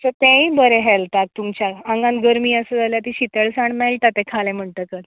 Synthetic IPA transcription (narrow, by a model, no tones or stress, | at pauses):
sət̪ɛ̃ĩbəɾɛɦɛlt̪ak̚t̪umt͡ɕjaəŋɡãnɡəɾmiːəsəd͡zaljat̪iɕit̪əɭsaɳmɛlt̪at̪ːɛ̃kʰalɛ̃m̤əɳʈ̪əkət̪